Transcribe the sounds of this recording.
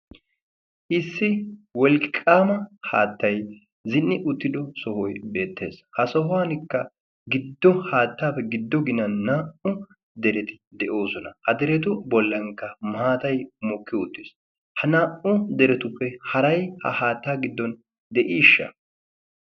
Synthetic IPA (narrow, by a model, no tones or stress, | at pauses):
ʔɪsːɪwɔlkʼːaːmɐha̰ːt̪ːɐj | zɪnːɪʔʊt̪ːɪd̪ɔsɔhɔjbe̞ːt̪ːe̞̰ːshɐsɔɦʊwaːnɪkːɐ | ɡɪd̪ːɔhaːt̪ːaːpːɛɡɪd̪ːɔɡɪnɐnːaːʔʊ | d̪ɛɾɛt̪ɪ̥d̪ɛʔo̞ːsɔnɐhɐd̪ɛɾɛt̪̬ʊbɔlːɐŋkːɐmaːt̪ɐjmɔkːɪʊt̪ːɪs | hɐnaːʔʊd̪ɛɾɛt̪ʊpːɛhɐɾɐjhɐ̰haːt̪ːaːɡɪd̪ːɔn | d̪ɛʔiːʃːɐ̰